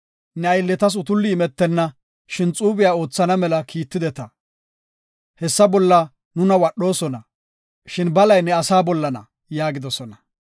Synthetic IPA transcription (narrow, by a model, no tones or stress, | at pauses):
nɛɐjlːɛt̪ɐs̬ʊt̪ʊlːɪːmɛt̪ːɛnːɐ | ʃɪnt͡sʼuːbɪjaːo̞ːt͡sːɐnɐmɛlɐkʰiːt̪ːɪd̪ɛt̪ɐ | hɛsːɐbɔlːɐ | nʊnɐwɐɗo̞ːsɔnɐ | ʃɪnbɐlɐjnɛɐsaːbɔlːɐnɐ̰ | jaːɡɪd̪ɔsɔnɐ